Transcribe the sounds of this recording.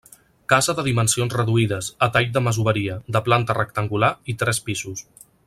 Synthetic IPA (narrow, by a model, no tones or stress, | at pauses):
kazəðəðimənsionzrəðuiðəsət̪aʎ̚d̪əməzuβəɾiəd̪əplant̪ərək̚t̪əŋɡulait̪ɾɛspizus